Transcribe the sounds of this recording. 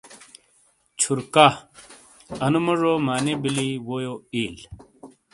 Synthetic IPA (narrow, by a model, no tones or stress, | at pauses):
t͡ɕʰuɾka | ɐnumɐʐoːmaːnebiliwojoiːl